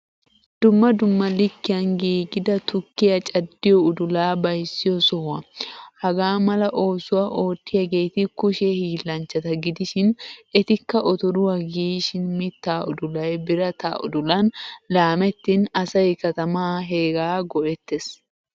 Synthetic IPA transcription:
d̪̥ʊmːɐd̪ʊmːɐlɪkːɪjɐnɡiːɡɪd̪ɐt̪ʊkːɪjɐt͡ʃʼɐd̪ːɪjɔʊd̪ʊlaːbɐjsːɪjɔsɔwɐhɐɡaːmɐlɐʔo̞ːsʊwɐʔo̞ːt̪ːɪjɐɡejt̪ɪkʊʃɛhiːlːɐnt͡ʃːɐt̪ɐɡɪd̪ɪʃɪnɛt̪ɪkːɐʔɔt̪ɔɾʊwɐɡiːʃɪnmɪt̪ːaːʊ̰d̪ʊlɐjbɪɾɐt̪a̰ːʔʊ̰d̪ʊlɐnlaːmɛt̪ːɪnɐsɐjkɐt̪ɐmaːɦeːɡaːɡɔʔɛt̪ːɛs

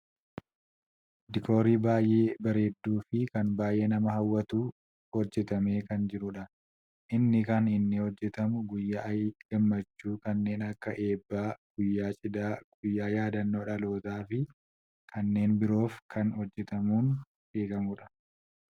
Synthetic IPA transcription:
d̪ɪkʰo̞ːɾiːbaːjʔe̞ːbɐɾe̞ːd̪ːuːfɪkɐnbaːjʔe̞ːnɐmɐɦɐwːɐt̪uː | hɔd͡ʒːɛt̪ɐme̞ːkɐnd͡ʒɪɾʊᶑɐ | ʔɪnːɪkɐnɪnːɪhɔd͡ʒːɛt̪ɐmʊɡʊjːaʔɐjɡ̥ɐmːɐt͡ʃːuːkɐnːe̞ːnɐkːɐʔe̞ːbːaːɡ̥ʊjːaːt͡ʃʼɪd̪aːɡ̥ʊjːaːjaːd̪ɐnːo̞ːᶑɐlo̞ːt̪aːfɪ | kʰɐnːe̞ːnbɪɾo̞ːfkʰɐnhɔd͡ʒːɛt̪ɐmuːn | be̞ːɡɐmʊᶑɐ̥

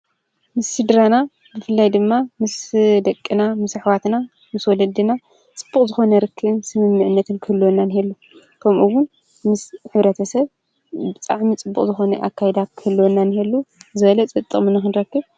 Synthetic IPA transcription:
mɨsːɨd̪ɾana | bɨfɨlːajd̪ɨmːamɨsd̪ɐkʼːinamɨsɨħwat̪na | mɨswɔlɐd̪ɨna | t͡sʼɨ̥b̥ːukʼzɨxo̞nɐɾɨkʰːɨβɨnsɨmɨmːɨʕɨnːɐt̪ʰɨnkʰɨlːonːanɨhelːu | kʰɐmʔuwʊn | mɨsħɨβɾɐt̪ʰɐsɐβ | bɨt̪ʼa̰ʕmit͡sʼɨbːukʼzɨxo̞nɐ̰ʔakʰːajɛd̪akʰɨlːonːanɨɦelːuzɨβɐlɐt͡sʼɨt̪ʼːɨ̰χmɨnɨxɨnɾɐkːɨβ

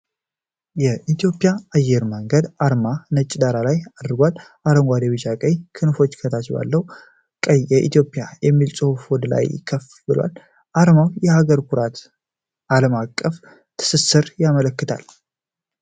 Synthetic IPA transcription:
jɛʔit̪ʰjo̞pʼɪjaajːɛɾməŋɡəd̪aɾmanət͡ʃʼːɪd̪aɾalajad̪ɨɾɡʷal | ʔaɾəŋɡʷad̪ewɨt͡ʃakʼəjkʰɨnfo̞t͡ʃːkʰət̪ʰat͡ʃba̰lːəw | kʼəjɛʔḭt̪ʰjo̞pʼijajɛmːilsʼohfod̪la̰jkʰəf | bɨlwa̰l | ʔaɾmawjɛhaɡəɾkʰuɾat̪ | aləmakʼːəf | t̪ʰɨ̥sɨsːɨɾjamələkːɨt̪ʰa̰l

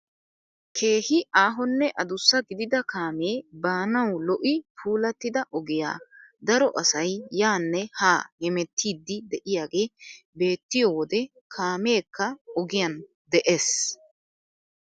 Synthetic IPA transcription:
kʰe̞ːhɪʔaːɦɔnːɛʔɐd̪ʊsːɐɡɪd̪ɪd̪ɐkʰaːmeːbaːnɐwlɔʔɪpʰuːlɐt̪ːɪd̪ɐʔɔɡɪja̰ːd̪ɐɾɔʔɐsɐjːaːnːɛhaːhɛmɛt̪ːiːd̪ːɪd̪ɛʔɪjaːɡe̞ː | be̞ːt̪ːɪjoːwɔd̪ɛ | kʰaːme̞ːkːɐɔɡɪjɐn | d̪ɛʔes

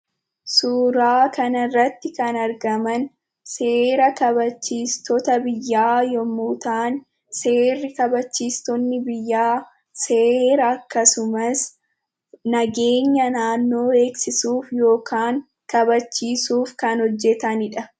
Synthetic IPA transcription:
suːɾaːkɐnɐrːɐt̪ːɪkɐnɐɾɡɐmɐn | se̞ːɾɐkɐbɐt͡ʃːiːst̪ɔt̪ɐbɪjːaːjɔmuːt̪aːn | se̞ːrːɪkɐbɐt͡ʃːiːst̪ɔnːɪbɪjːaː | seːɾɐːkːɐsʊmɐs | nɐɡe̞ːɲːɐnaːnːo̞ːe̞ːksɪsuːfjo̞ːkʰaːŋ | kɐbɐt͡ʃːiːsuːfkɐnhɔd͡ʒːɛt̪ɐnɪᶑɐ

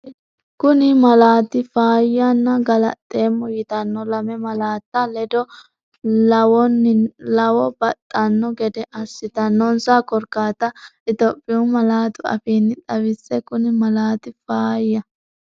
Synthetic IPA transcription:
kʊnɪmɐlaːt̪ːɪfaːjanːɐɡɐlɐ̰t̪ʼːe̞ːmːɔjɪt̪ɐnːɔlɐmɛmɐlaːt̪ːɐlɛd̪ɔ | lɐwɔnːɪlɐwɔbɐt̪ʼːɐnːɔɡɛd̪ɛʔɐsːɪt̪ɐnːɔnsakɔɾkaːt̪ɐɪt̪opʼːɪʊmɐlaːt̪ʊɐ̰fiːnːɪᶑɐwɪsːɛkʊnɪmɐlaːt̪ɪfaːjɐ

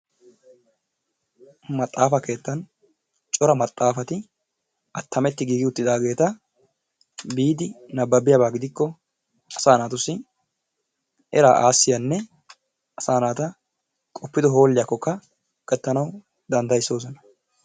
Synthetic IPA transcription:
mɐt̪ʼːaːfɐke̞ːt̪ːɐn | t͡ʃʼɔɾɐmɐt̪ʼːaːfɐt̪ɪ | ʔɐt̪ːɐmɛt̪ːɪɡiːɡɪʊt̪ːɪd̪aːɡe̞ːt̪ɐ | biːd̪ɪnɐbːɐbɪjɐbaːɡɪd̪ɪkːɔ | ɐsaːnaːt̪ʊsːɪ | ʔɛɾaːʔaːsːɪjɐnːɛ | ɐsaːnaːt̪ɐ | kʼɔpːɪd̪ɔɦo̞ːlːɪjɐkːɔkːɐ | kʼɛt̪ːɐnɐw | d̪ɐnd̪ɐjsːo̞ːsɔnɐ

